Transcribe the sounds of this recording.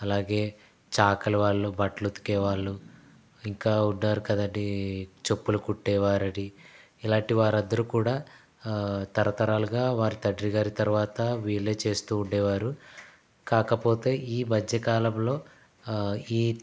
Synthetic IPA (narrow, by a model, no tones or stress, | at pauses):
ɐlaːɡe̞ː | t͡ʃaːkɐluʋaːɭːubɐʈlut̪u̥kɛːʋaːɭːu | iŋkaːuɳɖːaːɾukɐd̪ɐɳɖit͡ʃo̞pːulukuʈːɛːʋaːɾɐɽi | ilaːɳʈiʋaːɾɐnd̪ɐɾukuːɽaː | t̪ɐɾɐt̪ɐɾaːluɡaːʋaːɾit̪ɐɖɾiɡaːɾit̪ɐɾuʋaːt̪ɐʋiːɭːe̞ːt͡ʃe̞ːst̪uːuɳɖɛːʋaːɾu | kaːkɐpo̞ːt̪e̞ːʔiːbʱɐd͡ʒːɐkaːlɐmlo̞ː | iː